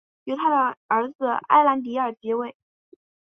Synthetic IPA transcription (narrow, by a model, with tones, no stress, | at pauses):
jo˧˥ʊt̪ʰa˥d̪ə˩ə˞˧˥d͡zɹ̩˧a̰˥ɪla˧˥nt̪̬i˧˥ə˞˨˩t͡ɕjɛ˧˥we˥˩ɪ